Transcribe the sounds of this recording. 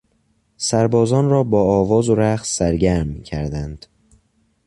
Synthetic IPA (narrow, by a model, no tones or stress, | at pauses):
sæɾbɒːzɒːnrɒːbɒːɒːvɒːzoɾæxssæɾɟæɾmicʰæɾd̪ænd̪̥